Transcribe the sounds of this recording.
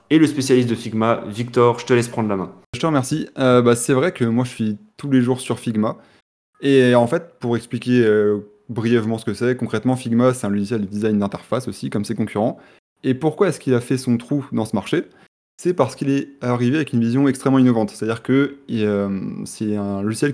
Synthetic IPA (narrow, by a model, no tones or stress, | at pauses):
eləspesjalist̪̚d̪əfiɡmavik̚t̪ɔʁʒət̪əlɛspχɑ̃d̪ʁəlamɛ̃ | ʒət̪əʁəmɛʁsiøbasɛvʁɛkəmwaʒəsɥit̪uleʒuʁsyʁfiɡma | eɑ̃fɛt̪̚puʁɛksplikʲeø | bʁijɛvmɑ̃sə̥kəsɛkɔ̃kχɛt̪mɑ̃fiɡmasɛt̪ɛ̃luʒisjɛld̪əd̪izajnd̪ɛ̃t̪ɛʁfasosikɔmsɛkɔ̃kʲyʁɑ̃ | epuʁkwaɛskilafɛsɔ̃t̪χud̪ɑ̃səmaʁʃe | sɛpaʁsə̥kilɛaʁiveavɛkynvizjɔ̃ɛkst̪χɛmːɑ̃inɔvɑ̃t̪sɛ̥t̪ad̪iʁkəiømsɛɛ̃luʒisjɛl